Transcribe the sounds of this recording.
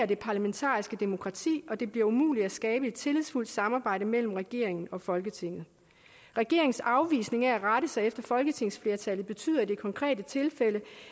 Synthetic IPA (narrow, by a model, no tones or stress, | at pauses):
ɐd̥e̝pʰɑ̈læment͡sʰɑ̰̈ːisɡ̥əd̥emo̝kʰʁɑ̈t͡sʰḭːɒ̽d̥e̝b̥liɐumṵːli̥æsɡ̥ɛːb̥əe̝d̥̚t͡sʰe̝liðˠsful̰d̥sɑ̈mɑ̈ːb̥ɑ̈ɪ̰ɾ̥əmel̰m̩ʁɛɡ̥e̝̰ɐ̰e̝ŋn̩ɒ̽fɒ̽lɡ̥ət͡sʰe̝ŋ̰ð̩ˠ | ʁɛɡ̥e̝ɐ̰eŋn̩sɑ̈ʊʋḭːsne̝ŋææʁɑɾəsɑ̈ɪefd̥ɐfɒ̽lɡ̥ət͡sʰe̝ŋ̰sfle̝ɐt͡sʰæl̰ð̞̩ˠb̥e̝t͡sʰy̰ːð̰ˠɐd̥e̝kʰɒ̽ŋkʰʁɛ̰ːdət͡sʰe̝lfel̰ə